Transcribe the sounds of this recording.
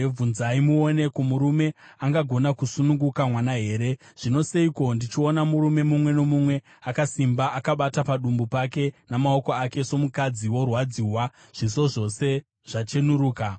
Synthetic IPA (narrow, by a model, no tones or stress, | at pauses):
vunzaimuone̞komuɾume̞aŋɡaɡʱo̞nakusunuŋɡukamwanaɦe̞ːɾe̞ | ʐ̥ino̞seiko̞ndit͡ʃio̞namuɾume̞mumwe̞no̞mumwe̞ | akasimbaʔakaɓatapaɗumbupake̞namao̞ko̞ake̞so̞mukad͡ziwo̞rwad͡ziwa | ʐ̥iso̞ʐo̞se̞ | ʐ̥at͡ʃe̞nuɾuːka